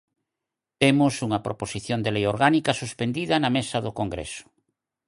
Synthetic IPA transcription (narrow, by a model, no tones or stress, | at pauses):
t̪emʊsuŋɐpɾʔoposiθjond̪elejoɾɣanikɐsuspend̪iðɐnɐmesɐðʊkoŋɡɾḛsʊ̥